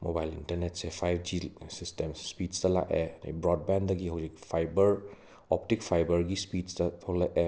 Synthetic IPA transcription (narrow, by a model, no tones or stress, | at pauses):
mobajlintɐɾnet̚sepʰajbʰd͡ʒisistemsspidstɐla̰ʔena̰bɾɔd̚bandɐɡiɦawzikpʰajbɐɾ | ɔp̚tik̚pʰajbɐɾɡispidstɐtʰolːaʔe